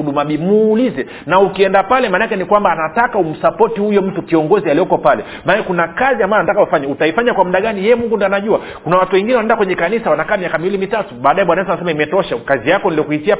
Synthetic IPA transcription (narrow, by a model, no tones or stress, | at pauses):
uɗumaɓimuːlizɛ | naukiɛndapalɛmanakɛnikwambaːnatakaum̩sapɔtihujɔm̩tukiɔŋɡɔzialijɔkɔpalɛ | manakɛkunakaziambaanatakaufaɲautaifaɲakwamuɗaɠanijɛɛmuŋɡundɔanaʄua | kunawatuwɛŋɡinɛwanaɛndakwɛɲɛkanisawanakaːmiakamiwilimitatuɓaːɗajɛɓwanaɛnt̬anasɛmaimɛtɔʃakazijakɔniliɔkuhisia